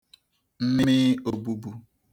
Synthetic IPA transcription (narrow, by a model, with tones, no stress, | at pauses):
m̩˦mɪ˦mɪ˦o˨bu˦bu˦